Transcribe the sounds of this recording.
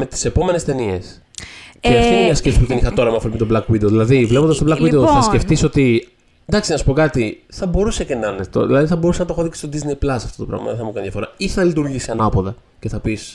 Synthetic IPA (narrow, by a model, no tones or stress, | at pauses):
me̞t̪i̥se̞po̞me̞ne̞st̪e̞nies | ceft̪inmɲɐsce̞psi̥puðenixɐt̪o̞ɾɐmeɐfopimet̪blɐkvid̪eoðilɐðivlepond̪sto̞blɐkvideoθɐsce̞ft̪iso̞t̪i | d̪ɐksinɐsu̥po̞kɐt̪iθɐbo̞ɾusecenɐnet̪o̰ðilɐðiθɐbo̞usenɐt̪oxoðiksi̥st̪od̪iznejplɐsɐft̪o̞t̪o̞pɾɐ̰ɣmɐ̰ðeθɐmukɐnid̪jɐfo̞ɾɐiθɐlit̪uɾʝisiɐnɐpoðɐ | ce̞θɐpis